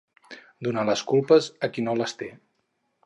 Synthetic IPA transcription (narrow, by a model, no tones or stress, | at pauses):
d̪unaləskulˠpəzəkinoləst̪e